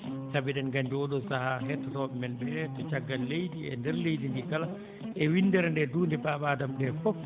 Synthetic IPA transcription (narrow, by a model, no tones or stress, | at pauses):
sabiɗɛnɡaɲd͡ʒɔɗɔsahaɦɛtɾɔbmɛnbɛtɔt͡ʃaɡːalːejdiɛ̰ndɛɾlejdindikala | ʔɛwinːdɛɾandɛduːndɛbaɓaːdamdɛfɔf